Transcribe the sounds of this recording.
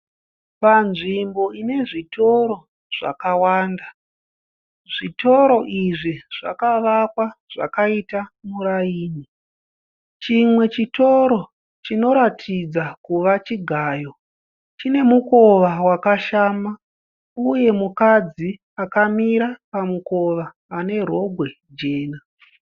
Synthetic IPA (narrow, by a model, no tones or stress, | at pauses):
panʐimbo̞ine̞ʐitʰo̞ɾo̞ | ʐ̥a̰kawaːnda | ʐ̥ito̞ɾo̞ʔiʐiʐ̥a̰kaʋakwaʐ̥a̰kaitamuɾaiːni | t͡ʃimwe̞t͡ʃito̞ɾo̞ | t͡ʃino̞ɾatʰid͡zakuʋat͡ʃiɡʱaːjo̞ | t͡ʃine̞muko̞ʋawakaʃaːma | uje̞mukad͡zi | akamiɾapamuko̞ʋaː | ne̞ro̞ɡʱwe̞ | d͡ʒe̞ːna